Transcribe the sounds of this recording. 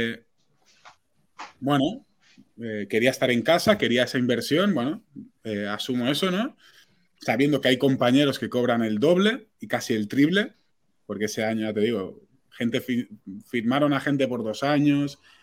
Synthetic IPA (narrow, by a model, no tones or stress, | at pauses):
bwe̞no | eke̞ɾiaest̪aɾe̞ŋkasake̞ɾiae̞saimbe̞ɾsjo̞nbwe̞noeasumoe̞so̞no̞ | saβje̞nd̪o̞keajko̞mpaɲe̞ɾo̞ske̞ko̞β̞ɾane̞ld̪o̞β̞le̞ikasie̞lt̪ɾiβle̞ | po̞ɾke̞ese̞aɲojat̪eiɣo̞ | xe̞nt̪e̞fifiɾmaɾo̞naxe̞nt̪e̞po̞ɾðo̞saɲo̞s